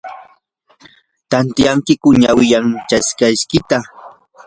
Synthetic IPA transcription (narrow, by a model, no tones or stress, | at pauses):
t̪ant̪jaŋkɪkʊɲawɪjaŋt͡ʃaskajʃkɪt̪a